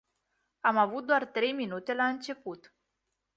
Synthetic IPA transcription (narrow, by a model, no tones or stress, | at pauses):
amavut̪̚d̪oart̪ɾe̞jminut̪e̞laɨnt͡ʃe̞put̪